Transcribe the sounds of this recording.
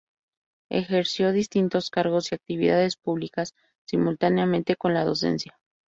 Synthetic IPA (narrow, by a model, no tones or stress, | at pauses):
e̞̰xe̞ɾsjo̞ðist̪int̪o̞skaɾɣo̞siak̚t̪iβ̞iðað̞e̞spuβlikasː | imult̪aneamẽ̞nt̪e̞ko̞nlaðo̞̰se̞̰nsja